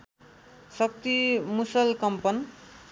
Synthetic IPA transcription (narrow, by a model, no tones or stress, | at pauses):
sʌk̚t̪imusʌlkʌmpʌn